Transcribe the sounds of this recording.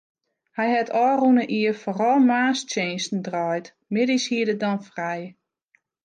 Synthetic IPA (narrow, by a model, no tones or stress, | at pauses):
hɛjhɛtʰɔːrunəʔiəforɔlˠmaːst͡ʃeːnstn̩drɔjt | mɪdishiədədɔnfrɛj